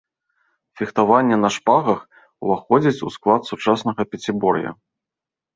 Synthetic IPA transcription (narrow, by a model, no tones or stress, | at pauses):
fʲixt̪avanʲːɛnɐʂpaɣɐx | uvaxɔd͡zʲit͡sʲusklˠat̪sut͡ʂasnɐɣɐpʲɛt͡sʲibɔɾjɐ̰